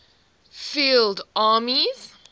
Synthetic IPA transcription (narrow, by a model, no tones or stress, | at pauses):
fildaːmiz̥